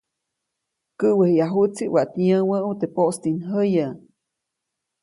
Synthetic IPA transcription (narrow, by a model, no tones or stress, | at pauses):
kəʔwehjaɦut͡siʔwaʔt̪ɲəwəʔut̪epoʔst̪inɦəjə